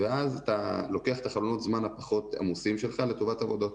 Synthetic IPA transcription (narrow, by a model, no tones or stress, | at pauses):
veazatalo̞keaχet̪aχalono̞t̪zmanhapaχo̞t̪a̰musimʃe̞lχale̞to̞vatavo̞dot